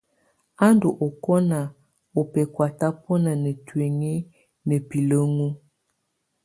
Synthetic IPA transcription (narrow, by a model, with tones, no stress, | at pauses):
a˦ndo˨ʔo˨kɔ˦na˨ | o˨pɛ˨kwa˨ta˦pɔ˦na˨nə˨twe˨ŋe˦ | nə˨pi˨lə˦ŋu˦